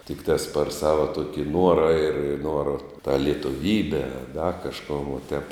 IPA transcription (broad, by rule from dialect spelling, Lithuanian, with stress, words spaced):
tʲɪkˈtɑːs pɐr ˈsɑːʋɐ ˈtuɔkʲɪ ˈnuɔrɐ ɪr ˈnuɔrɐ tɑː lʲiɛtʊˈʋʲiːbʲɛ ɐ dɐ kɐʃˈkoːn ʋɐ tʲɛp